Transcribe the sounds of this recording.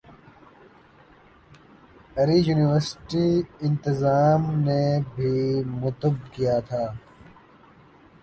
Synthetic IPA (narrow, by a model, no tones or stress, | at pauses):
ɐɾiːjuːniʋəɾsʈiɪ̃nt̪ɪzaːmnebʱiːmʊt̪ʊbkijaːt̪ʰaː